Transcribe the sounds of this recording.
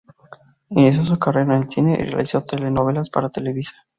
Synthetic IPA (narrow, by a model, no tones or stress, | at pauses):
enes̬os̬ukareɾanelθineʔrea̰lisot̪elenoβ̞elaspa̰ɾat̪eleβisaɾ